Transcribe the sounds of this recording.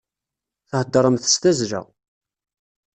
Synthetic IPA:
θəhəd̪ːəɾˤəmθəst̪æzɾæ̰

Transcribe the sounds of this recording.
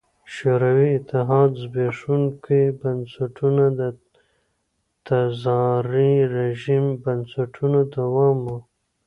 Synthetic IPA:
ʃoɾawiɪt̪ɪɦɑːd̪zbeʂunkʰibansaʈʰunad̪ə | t̪azɑɾiɾeʒimbansaʈʰunod̪awɑmu

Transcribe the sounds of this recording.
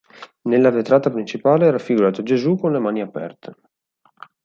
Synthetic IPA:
nelːaret̪ɾaːt̪apɾint͡ʃipaːleɛːɾafːiɡuɾaːt̪ad͡ʒezukonlemaːniapɛ̰rt̪ʰe̥

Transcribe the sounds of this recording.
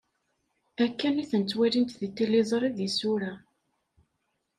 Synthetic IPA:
ækːæniθənt͡sːwælint̪ðit̪ːilizˤɾˤiðisuɾæ

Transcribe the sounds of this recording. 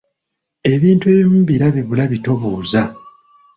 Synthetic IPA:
e̞βiːntue̞ːβimuβiɾaβiβulaβito̞βuːza

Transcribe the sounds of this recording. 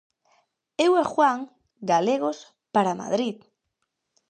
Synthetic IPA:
ewɛxwaŋ | ɡaleɣos | paɾama̰ðɾið

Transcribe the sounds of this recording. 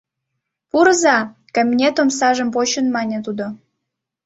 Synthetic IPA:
puɾzɑkɑmʲinʲet̪omsɑʒəmpoɕə̆nmɑnʲet̪ud̪o

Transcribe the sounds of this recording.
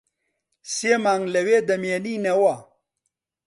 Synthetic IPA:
semaŋlɐwed̪ɐmeninɐwa

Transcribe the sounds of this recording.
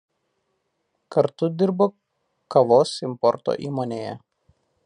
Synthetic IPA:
kɐɾt̪ʊd̪ʲɪɾboː | kɐʋoːsɪmpɔɾt̪o̰ːʔiːmoːnʲeːjɛ̰

